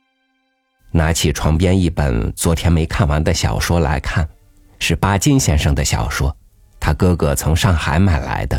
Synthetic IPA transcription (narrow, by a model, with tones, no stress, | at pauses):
na˧˥t͡ɕʰi˨˩ʈ͡ʂʰwɑ˧˥ŋpjɛ˥ni˥˩pə̰˨˩nt͡swɔ˧˥t̪ʰjɛ˥nme˧˥ɪkʰa˥˩nwa˧˥nd̪ə˧ɕjɑ̰˨˩ʊʂwɔ˥la̰˧˥ɪkʰa˥˩n | ʂɻ̩˥˩pa˥t͡ɕi˥nɕjɛ˥˧nʂɑ˥˩ŋd̪ə˨ɕjɑ̰˨˩ʊʂwɔ˥ | t̪ʰa˥kɤ˥ɡɤ˧˩t͡sʰʊ˧˥ŋʂɑ˥˩ŋxa˨˧˥ɪma˨˩ɪla̰˧˥ɪd̪ə˦